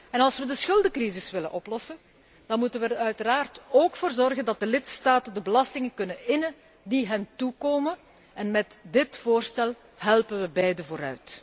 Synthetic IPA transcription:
ɛnɑlˠsʋədəsxɵlˠdəkrizɪsʋɪlə̰nʔɔplɔsən | d̥ɑnmutənʋəœɥtəɾaːrtoːkfoːrzɔrɣəndɑt̚dəlɪtstaːtəndəbəlɑstɪŋəkɵnənɪnə | diɦɛntukoːmən | ɛnmɛtdɪtfoːrstɛlˠ | ɦɛlˠpənʋəbɛjdəvoːɾœ̰ɥt

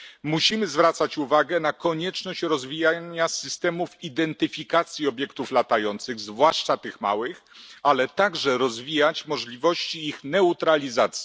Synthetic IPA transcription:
muɕimɘzvɾat̪sat͡ɕuvaɡɛnakɔɲɛt͡ʂnɔɕt͡ɕɾɔzvʲijaɲasɘst̪ɛmufid̪ɛnt̪ɘfʲikat̪sʲjiɔbʲjɛkt̪uflat̪ajɔnt̪sɘɣzvwaʂt͡ʂat̪ɘxma̰wɘxalɛt̪aɡʐɛɾɔzvʲijat͡ɕmɔʐlʲivɔɕt͡ɕiːxnɛut̪ɾalʲizat̪sʲi

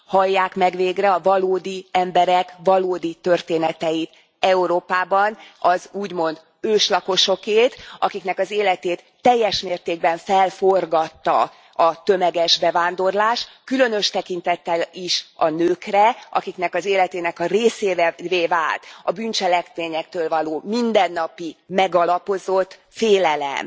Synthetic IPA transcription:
hɒjːaːkmɛɡʋeːɡrɛɒvɒloːd̪iɛmbɛɾɛkvɒloːd̪it̪ø̞rt̪eːnɛt̪ɛjit̪ | ɛuɾoːpaːbɒnɒzuːɟmo̞nd̪ | øːʃlɒko̞ʃo̞keːt̪ɒkikn̪ɛkɒzeːlɛt̪eːt̪ːɛjːɛʃmeːrt̪eːɡ̚bɛɱfɛlfo̞rɡɒt̪ːɒ̰ | ɒt̪ø̞mɛɡɛʒbɛvaːnd̪o̞rlaːʃkylønø̞ʃt̪ɛkint̪ɛt̪ːɛliʃɒnøːkrɛʔɒ̰kiknɛkɒzeːlɛt̪eːnɛkɒreːseːvɛveːvaːlt̪ɒbynt͡ʃɛlɛkmeːɲɛk̚t̪øːlvɒloːmind̪ɛnːɒpimɛɡɒlɒpo̞zo̞t̪ː | feːlɛlɛ̰m

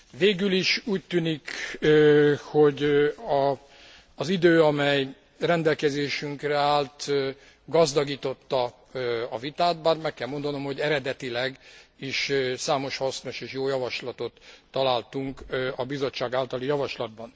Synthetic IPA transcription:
veːɡyliʃuːc̚t̪yːnikøho̞ɟɒː | zid̪øːɒmɛj | rɛnd̪ɛlkɛzeːʃyŋkrɛaːlt̪ | ɡɒzd̪ɒɡiːt̪o̞t̪ːɒ | ɒvit̪aːt̪̚baːrmɛkːɛlmo̞nd̪ɒno̞mho̞ɟɛɾɛd̪ɛt̪ilɛɡiʃsaːmo̞ʃhɒsno̞ʃeːʃjoːjɒvɒʃlɒt̪o̞t̪ːɒlaːlt̪uŋkɒbizo̞t͡ʃːaːɡaːlt̪ɒlijɒvɒʃlɒd̪̚bɒn

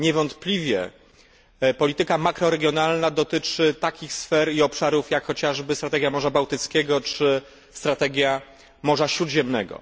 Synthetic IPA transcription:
ɲɛvɔnt̪plʲivʲjɛ̰ | pɔlʲit̪ɘkamakɾɔɾɛɡʲjɔnalnad̪ɔt̪ɘt͡ʂɘt̪akʲixsfɛɾiɔpʂaɾufjakxɔt͡ɕaʐbɘst̪ɾat̪ɛɡjamɔʐabawt̪ɘt̪skʲɛɡɔt͡ʂɘ | st̪ɾat̪ɛɡʲja | mɔʐaɕɾud̪ʑɛmnɛɡɔ̰

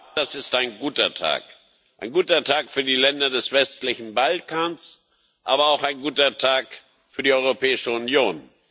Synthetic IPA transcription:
d̥asɪstaɪnɡuːtɐtʰa̰ːk | ʔaɪnɡuːtɐtʰaːkfyːɐdiːlɛndɐdɛsv̥ɛstlɪçn̩balkʰaːns | ʔaːbɐaʊxaɪnɡuːtɐtʰaːk | fyːɐdiːɔʏʁopʰɛːɪʃəʊnjoːn

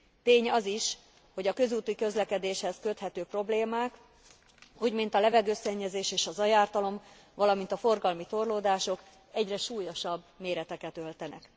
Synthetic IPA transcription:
t̪eːɲɒziʃ | ho̞ɟɒkø̞zuːt̪ːikø̞zlɛkɛd̪eːʃhɛskø̞t̪hɛt̪øːpro̞bleːmaːk | uːɟmint̪ɒlɛvɛɡøːsɛɲːɛzeːʃeːʃɒzɒjaːrt̪ɒlo̞m | vɒlɒmint̪ɒfo̞rɡɒlmit̪o̞rloːd̪aːʃo̞k | ɛɟrɛʃuːjo̞ʃɒb | meːɾɛt̪ɛkɛt̪ø̞lt̪ɛnʔɛ̰k

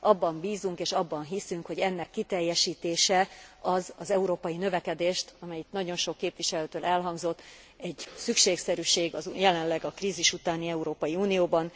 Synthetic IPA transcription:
ɒbːɒmbiːzuŋkeːʃɒbːɒnɦisyŋkho̞ɟɛnːɛkːit̪ɛjːɛʃiːt̪eːʃɛɒzɒzɛuɾoːpɒjinø̞vɛkɛd̪eːʃt̪ɒmɛjit̪nɒɟo̞nʃo̞kːeːpʋiʃɛløːt̪øːlɛlɦɒŋɡzo̞t̪ː | ɛɟsykʃeːksɛɾyːʃeːɡɒzjɛlɛnlɛɡɒkriːziʃut̪aːniɛuɾoːpɒjiuːnijoːbɒn

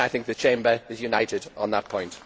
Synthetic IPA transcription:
aɪθɪ̃ŋk̚ðət͡ʃʰẽɪ̃mbəɪzjunaɪtɪdn̩ðəʔ̚pʰɔ̃ɪ̃nt

